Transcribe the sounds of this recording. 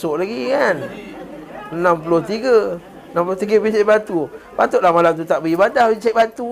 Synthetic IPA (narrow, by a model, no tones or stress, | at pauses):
sʊʔlaɡikan | nampulʊht̪iɡə | ənampuloht̪iɡəpit͡ʃaʔbat̪upat̪ʊʔlahmalamt̪̬ut̪aʔbəibadahpit͡ʃajʔbat̪u